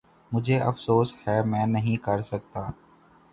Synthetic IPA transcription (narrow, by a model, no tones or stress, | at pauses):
mʊd͡ʒʱeːʔɐ̰fsoːshɛːmɛ̃ːnəɦĩkɐɾsək̚t̪aː